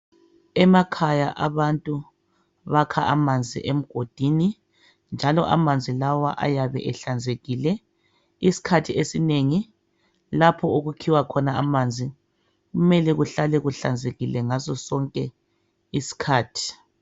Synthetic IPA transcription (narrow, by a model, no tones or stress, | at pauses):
ɛmakʰajaʔaβantʼu | βakʰaʔamand͡zʱḭʔem̩ɡ̥ʱod̥ʱiːni | nd͡ʒʱalɔʔa̰mand͡zʱilawaʔa̰jaβɛ̰ʔɛɬand͡zʱeɣilɛ | isi̥kʰatʰiesineŋi | lapʰɔoɣukʰiwakʰɔnaamaːnd͡zʱi | ɣumɛlɛɣuɬalɛɣuɬand͡zʱeɣilɛŋazɔsɔŋkʼɛ | isi̥kʰaːtʰi̥